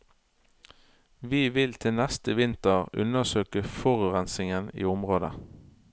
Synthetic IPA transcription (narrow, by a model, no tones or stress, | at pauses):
ʋiːʋɪlt̪ʰɪlnɛst̪əʋɪnt̪əʁʉ̰nəsøːkəfɔʁʉːʁɛnsɪŋənḭːʊmʁoːd̪ə̰